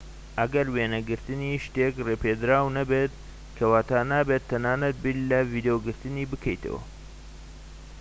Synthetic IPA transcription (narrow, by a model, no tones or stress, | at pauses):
ʔɐɡɐɾweːnɐɡɨɾt̪ɨniʃt̪eːkreːpeːd̪ɾaːwnɐbet̪̚ | kʰɐwaːt̪aːnaːbet̪ʰːɐnaːnɐt̪̚billɐviːd̪ejoɡɨɾt̪ɨniːbɨkʰɐjt̪ʰɐ̰wɐ̰